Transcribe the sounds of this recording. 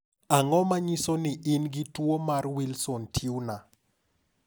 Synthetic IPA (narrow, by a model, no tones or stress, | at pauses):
aŋɔmaɲisonɪʔɪnɡɪtwomarwilsontʰiuna